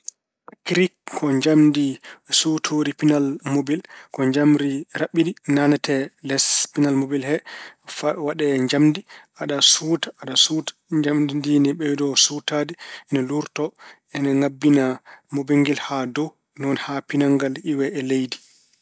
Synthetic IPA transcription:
kɾikkʰːɔɲd͡ʒamdisutʰoɾipinalmobilkɔɲd͡ʒamɾiɾaɓːidinanatɛlɛspinalmobilhɛfawaɗɛɲd͡ʒamdiʔaɗasutaaɗasut | d͡ʒamdinɛɓɛdɔsutadiɛnɛluɾtɔ | ɛnɛŋabːinamobeŋɡilhadɔ | nɔnhapinaŋɡaliwɛʔɛlejdi

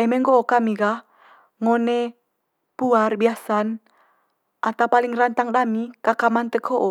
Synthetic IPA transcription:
ɛmeŋɡoʔokamiɡah | ŋone | puarbiasan | ʔat̪awpaliŋrant̪aŋdamikakamant̪əkʰoʔo

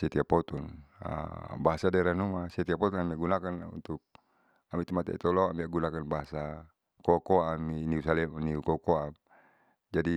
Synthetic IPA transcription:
sɛt̪iapɔt̪ɔna̰baɦasadɛɾanumasɛt̪iapɔt̪ɔnamiaɡunakanṵnt̪uk̚ | amit̪umat̪ɛ̰ʔḭt̪ɔlaamiaɡunakanbaɦasa | kɔkɔaminiusalɛmniukɔkɔam | d͡ʒadi

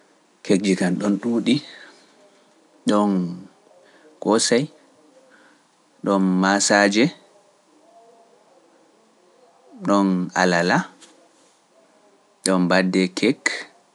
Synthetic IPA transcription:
kʰek̚d͡ʒikanɗɔnɗuːɗi | ɗɔn | kɔsaj | ɗɔnmasad͡ʒɛ | ɗɔna̰lala | ɗɔnbadːɛkʰɛk

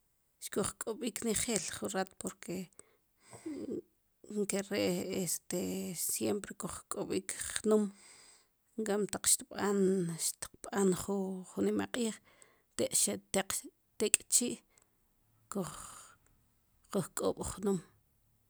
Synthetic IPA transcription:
ʃkoχkʼoɓiːkneχeːlχunɾat̪poɾkʰe | ŋkeɾeʔest̪esjempɾekoχkʼoɓiːkχnum | ŋkamt̪aq͡χʃt̪iɓanʃt̪i̥qɓanχuχunimaqʼiːχ | t̪eʔʃat̪eq | t̪ekʼt͡ʃiːʔ | koχ | uχkʼo̰ːɓ̥χnum

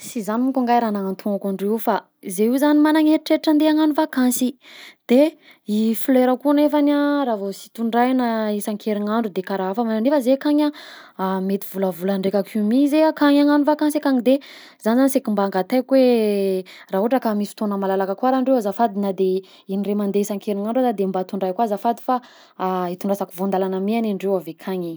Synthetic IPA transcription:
sizaniŋkuŋɡajɾanaŋant̪ʰuŋakaɳɖ͡ʐewfa | zeizanimanaŋeɾʈ͡ʂeʈ͡ʂənd̪eaŋanuvakansid̪̥e | ifileɾəkunefanaɾavosi̥t̪uɳɖ͡ʐajnaisaŋkʰeɾiŋaɳɖ͡ʐud̪ekaɾaafəmananefəzekaɲa | met̪ivuləvulaɳɖ͡ʐekʲakʰumizeakaɲaŋanufakaŋsekaŋid̪e | zanizanisekimbaːŋɡat̪ajkwe | raɦoɦaʈ͡ʂəkamisi̥t̪onəmalalakakwaɾaɳɖ͡ʐewazafad̪inəd̪e | iniremand̪eisaŋkeɾiŋaɳɖ͡ʐad̪ad̪embat̪uɳɖ͡ʐajkwazafad̪i̥faː | it̪uɳɖ͡ʐasakivond̪alanamianaɳɖ͡ʐewavekʰaɲi

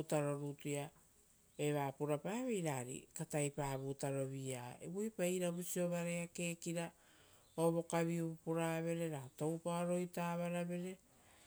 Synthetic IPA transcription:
taɾo̞ɾuːtuja | e̞βaːpuɾapaːβejɾaːɾḭkatajpaːβuːtaɾo̞βiaḛbujpaiɾabusio̞βaɾeake̞ːkiɾa | oβo̞kaβiuupuɾaβe̞ɾe̞ɾato̞wpaoɾo̞jtaːβaɾaβe̞ɾe̞

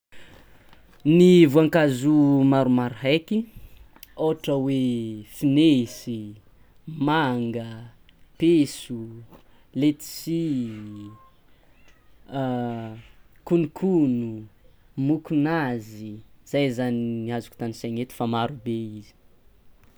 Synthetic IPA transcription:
nivuaŋkazumaɾumaɾɦajki | oʈ͡ʂəwefinesi | maŋɡə | pesu | let̪i̥si | kunikʰunu | mukunaziz̥ajzaniniazuku̥t̪anisaŋet̪i̥famaɾubeizi̥

